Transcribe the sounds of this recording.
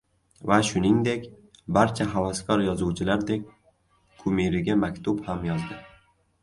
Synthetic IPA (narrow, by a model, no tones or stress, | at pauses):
vaʃʊnɪŋd̪e̞kʲ | baɾt͡ʃʰaɦavaskʰɒɾjɒzuwt͡ʃʰɪlaɾd̪e̞kʲʰ | ʊmiɾɪɡʲamakʲt̪ʰʊbhamjɒzd̪ɪ